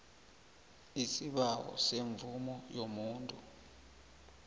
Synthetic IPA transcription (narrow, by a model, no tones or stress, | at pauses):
isiɓawɔ̰seɱvumɔjomuːntʼu